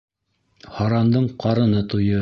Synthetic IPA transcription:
hɑɾɑnd̪ɤɴqɑɾɤ̆nɤt̪ujɤ

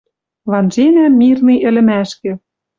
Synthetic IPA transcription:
βɑnʒenæmːirniʔɘ̆lɘ̆mæʃkĕ

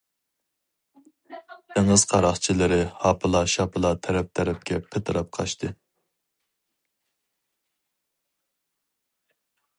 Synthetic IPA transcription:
t̪eŋɨz̥qʰɑɾɑχt͡ʃʰilɪɾɪhɑpʰɨlˠɑʃɑpʰɨlˠɑt̪ʰɛɾɛp̚t̪ʰɛɾɛp̚kʲʰɛpʰət̪ʰɨɾɑp̚qʰɑ̰ʃt̪ʰɨ

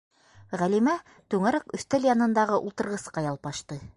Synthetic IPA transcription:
ʁælimæ | t̪ʉŋæɾækɵ̆θt̪æljɑnɤ̆nd̪ɑʁɤʔulˠt̪ɤ̆ɾʁɤ̆sqɑjɑlˠpɑʃt̪ɤ

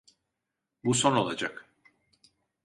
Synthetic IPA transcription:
buso̞no̞lˠad͡ʒak

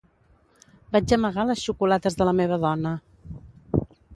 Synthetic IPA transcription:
bad͡ʒəməɣaləsʃukulat̪əzðələmeβ̞əðɔnə

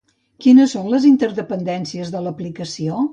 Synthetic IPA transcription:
kinəsːonləzint̪əɾðəpənd̪ɛnsiəzðələplikəsio

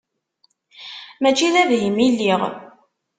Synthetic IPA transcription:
mæt͡ʃːiðævɦimilːiʁ

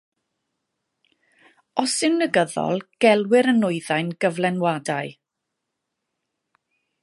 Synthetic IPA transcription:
ɔsɪwnəɡəðɔ̰lˠɡ̥ɛlˠwɪɾənʊɨðajnɡ̥əvlˠɛnwadaɨ

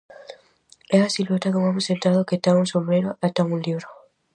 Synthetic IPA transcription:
easilotakemamusent̪aðoketaunsombɾeɾoʔataunliβɾo

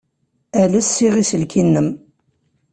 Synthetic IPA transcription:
æləsːiʁisəlkʰinːəm

